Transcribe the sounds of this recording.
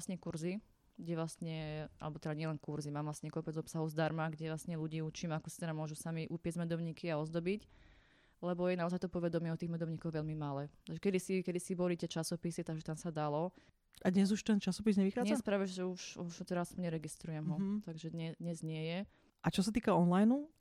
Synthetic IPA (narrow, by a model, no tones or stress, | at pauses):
sɲɛkuɾzi | ɡɟɛʋlasɲɛʔa̰lɛbɔt̪ɛd̪aɲɪɛlɛnkuɾzimaːmʋlasɲɛkɔpɛd͡zɔpsaɦɔzd̪aɾmaɡɟɛʋlasɲɛluɟiːut͡ʃiːmakɔsi̥t̪ɛd̪amʊɔʒusamiʔupɪɛzmɛd̪ɔʊɲiːkiaɔzd̪ɔbic | lɛbɔjɛnaɔzajt̪ɔpɔʋɛd̪ɔmɪɛɔt̪iːɣmɛd̪ɔʊɲiːkɔɣʋɛʎmimalɛːt̪aɡʒɛkɛd̪isikɛd̪isibɔlit̪ɪɛt͡ʃasɔpisit̪aɡʒɛt̪amsad̪alɔ | ad̪ɲɛzuʃt̪ɛnt͡ʃasɔpizɲɛʋixaːɲɛɛspɾaːʋɛʒʒɛuʃuʒt̪ɛd̪aaspɔɲɲɛɾɛɡist̪ɾujɛmɦɔt̪aɡʒɛd̪ɲɛd̪ɲɛzɲɪɛjɛ | ʔat͡ʃɔsat̪iːkaɔnlajnu